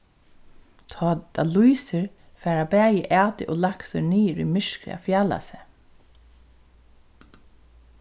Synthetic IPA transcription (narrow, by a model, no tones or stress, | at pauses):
t̪ʰɑːd̪alujsəɹ | fæːɹabæːjɪʔæːt̪ɪʔoːlaksəniːɹḭmɪʂkɾɪ̰a̰fjaːla̰sɛ